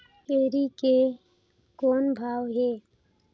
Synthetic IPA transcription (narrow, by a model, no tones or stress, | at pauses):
eːɾike | koːnbʱaːwɦeː